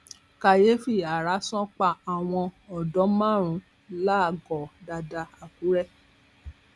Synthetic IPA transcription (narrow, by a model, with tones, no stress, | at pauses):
ka˧˨je˨˦fi˦˨a˨ɾa˨˦sɔ̃˦k͡pa˦˨a˨w̃ɔ̃˧ɔ˨dɔ˨˦mã˦˨ɾ̃ũ˨˦ | la˦˨ɡɔ˨da˧da˧a˨ku˨˦ɾɛ˦